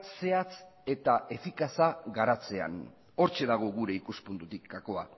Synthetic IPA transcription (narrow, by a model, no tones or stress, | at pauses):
se̞at͡se̞t̪ae̞fikasaɣaɾat͡se̞a̰n | o̞ɾt͡ʃe̞ðaɣ̞o̞ɣuɾe̞ikuspunt̪ut̪ikako̞a